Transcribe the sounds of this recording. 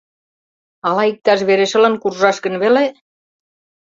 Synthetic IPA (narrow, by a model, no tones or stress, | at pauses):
ɑlɑik̚t̪ɑʃ̬βeɾeʃə̆lə̆nkurʒɑʃkə̆nβele